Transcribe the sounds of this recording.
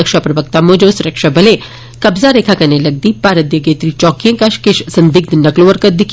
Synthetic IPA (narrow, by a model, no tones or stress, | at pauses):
ɐkʃapɾɐʋək̚t̪amod͡ʒosuɾəkʂabɐle | kɐbzaɾeːkʰakɐnelɐɡ̚d̪iːpaːɾəd̪jəɡeːt̪ɾit͡ʃɔːkijə̃ŋkaʃkɪʃsɐnd̪ik̚d̪nɐkloʋɐɾkət̪̚d̪ikʰ